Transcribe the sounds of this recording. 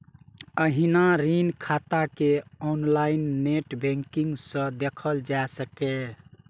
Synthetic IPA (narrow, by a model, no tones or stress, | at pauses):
əɦinaɾinkʰat̪akeɔnlainːeʈbɛ̃ŋkiŋɡsə̃d̪ekʰəld͡ʒaesəke